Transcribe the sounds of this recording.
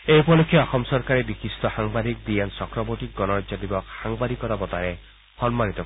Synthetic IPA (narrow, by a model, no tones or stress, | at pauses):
ejpɔd̪ɔkʰːjeɔxɔmsɔɾkaɾebikist̪ɔhaŋbad̪ʱik̚biansɔkɾɔboʈik̚ɡɔnɔɾad͡ʒɔb̪ibɔkhaŋbad̪ikɔɾabɔt̪aɾe | hɔnmanit̪ɔ